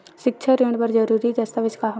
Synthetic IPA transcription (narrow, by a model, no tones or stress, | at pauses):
ʃɪk̚t͡ʃʰəɾeːɳɖpɐɾd͡ʒɐɾuːɾid͡ʒ̪ɐst̪əbɪskaɦɐ